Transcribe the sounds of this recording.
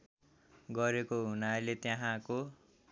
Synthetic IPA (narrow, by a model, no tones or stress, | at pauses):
ɡʌɾekoɦunalet̪jaɦãko